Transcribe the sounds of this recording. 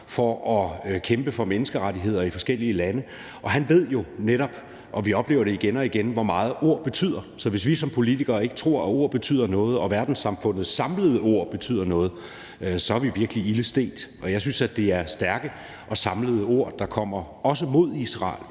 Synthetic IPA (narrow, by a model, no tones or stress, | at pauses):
fɒɒ̽kʰemb̥əfɒ̽menəsɡ̥əʁadiɦe̝ð̞̰ˠɐifɒ̽sɡ̥el̰iəlænə | ʔɒ̽ɦænʋe̝ð̞̰ˠjo̝neɾɒ̽b̥ | ʔɒ̽ʋiɒ̽b̥lḛːʊɐɾ̥e̝iɡ̥enɒ̽iɡ̥enʋɒmɑ̈ːð̞̩ˠo̝ɐ̰b̥e̝t͡sʰy̰ð̰ˠɐsɒ̽ʋe̝s̬ʋisɒ̽mpʰo̝lit͡sʰiɡ̥ɐːe̝ɡ̥ə̥t͡sʰʁo̝ɐ̰æo̝ɐ̰b̥e̝t͡sʰy̰ð̰ˠɐnɔ̽ːð̞̩ˠɒ̽ʋæɐd̥n̩sɑ̈mfɔ̽n̰ð̩ˠsɑ̈mləð̞ˠəo̝ɐ̰b̥e̝t͡sʰy̰ð̰ˠɐnɔ̽ːð̞̩ˠ | sɒ̽æɐʋiʋiɐɡ̥əliiləsd̥e̝̰ːd̥ʔɒ̽jɑ̈ɪsynsæd̥e̝æɐsd̥æɐɡ̥ə | ʔɒ̽sɑ̈mləð̞̩ˠəo̝ɐ̰d̥ɑ̈kʰɒ̽m̰ɐ | ɒ̽s̬əmo̝ð̞ˠisʁɑ̰̈ːl